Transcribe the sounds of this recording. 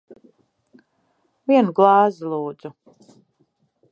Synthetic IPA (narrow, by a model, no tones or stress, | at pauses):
viɛnuɡlˠɑːzilˠuːd̪zu